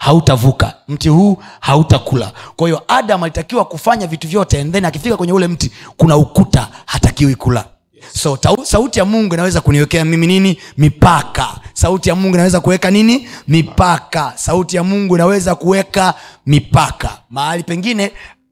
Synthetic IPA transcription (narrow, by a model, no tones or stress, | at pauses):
hautavuka̰m̩tihuːhautakula̰kwahiɔʔaɗamalitakiwakufaɲavituvjɔtɛːnðɛniakifikakwɛɲɛulɛm̩tikunaukutahatakiwikula̰ | sɔtasautijamuŋɡuinawɛzakuniwɛkɛamimininimipaka̰sautijamuŋɡuinawɛzakuwɛkaninimipakasautijamuŋɡuinawɛzakuwɛkamipaka̰mahalipɛŋɡinɛ